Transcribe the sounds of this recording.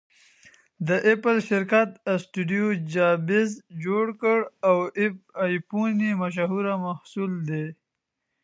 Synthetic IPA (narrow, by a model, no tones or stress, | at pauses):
d̪əʔɪpəlʃɪɾkat̪sʈuɖijod͡ʒɑbɪzd͡ʒoɽkəɽawɪp̚ajpunimaʃ̬aɦuɾamahsuld̪e